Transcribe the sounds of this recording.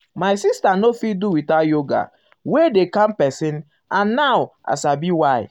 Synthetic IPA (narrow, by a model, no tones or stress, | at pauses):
maɪsistanofit̚duwitajoɡa̰ | wedekãmpɛsĩn | ãnːawa̰sabiwaj